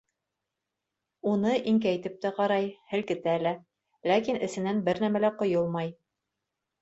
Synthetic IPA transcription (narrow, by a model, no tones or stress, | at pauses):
unɤʔiŋkæjt̪ɘp̚t̪æqɑɾɑjhɘ̆lkɘ̆t̪ælæ | lækinɘ̆sɘ̆nænbɘɾnæmælæqŏjolˠmɑj